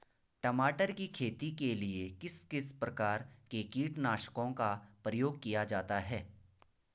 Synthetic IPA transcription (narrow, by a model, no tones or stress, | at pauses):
ʈɐmaːʈəɾkikʰeːt̪ikeliekɪskɪspɾɐkaːɾkekiːʈnaːʃkõkapɾəjoːɡ̚kijad͡ʒaːt̪aɦɛː